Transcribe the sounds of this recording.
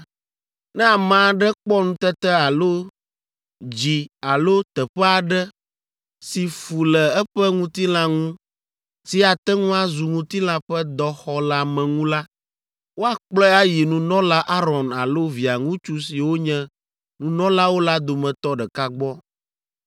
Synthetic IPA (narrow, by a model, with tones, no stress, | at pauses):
nɛ̃˦a˨mã˨ɖɛ˦k͡pɔ˦nũ˦t̪ɛ˦t̪ɛ˦a˨lo˦ | d͡ʑi˨a˨lo˦t̪ɛ˨ɸɛ˦a˨ɖɛ˦ | si˨fu˨lɛ˨ɛ˦ɸɛ˦ŋũ˦t̪i˦lã˦ŋũ˦ | si˦a˨t̪ɛ˦ŋũ˦a˦zu˨ŋũ˦t̪i˦lã˦ɸɛ˦d̪ɔ˦xɔ˦la˦˨mɛ̃˨ŋũ˦la˦ | wo˦a˦k͡plɔ˦a˦ji˨nũ˨˦nɔ̃˦la˦ʔa˦ɾɔ˨na̰˨lo˦vi˨a˨ŋũ˦t͡ʃu˦si˨wo˦ɲɛ̃˦ | nũ˨nɔ̃˦la˦wo˦la˦d̪o˨mɛ̃˨t̪ɔ˦ɖɛ˨ka˦ɡ͡bɔ˦